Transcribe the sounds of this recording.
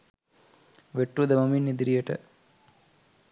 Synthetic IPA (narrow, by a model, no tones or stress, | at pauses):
ʋeʈrud̪ɐmɐminːid̪ɾijɐʈɐ̰